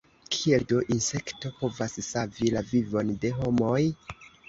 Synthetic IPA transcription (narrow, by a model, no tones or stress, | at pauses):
kʰieldoʔinse̞kto̞po̞vassavilavivo̞nde̞ɦo̞moj